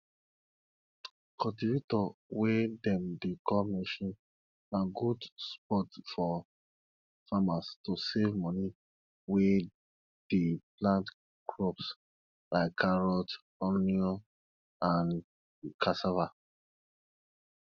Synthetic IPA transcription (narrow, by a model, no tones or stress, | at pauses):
kɔtivitɔwedɛ̃mdekɔmɛ̃ʃɔ̃n | naɡudspɔtfɔ | famastosevmɔ̃ni | we | d̥eplãnt | kʰɹɔps | laɪkʰːaɹɔt | ɔniɔ | ãn | kʰasava